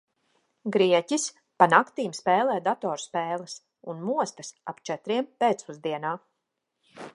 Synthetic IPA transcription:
ɡɾiɛcis | panakt̪iːmspɛːlˠɛːd̪at̪ɔːɾspeːlˠas | unmuɔst̪asa̰pt͡ʃɛt̪ɾiɛmpeːt̪suzd̪iɛnaː

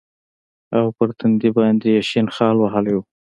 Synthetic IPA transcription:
awpəɾt̪ʰand̪ibɑjnd̪ejaʃinxɑlwaɦəlju

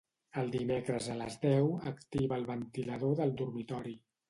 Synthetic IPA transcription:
əlˠd̪imekɾəzələ̰zðɛwəkt̪iβəːlˠβənt̪iləðoðəlˠd̪urmit̪ɔɾi

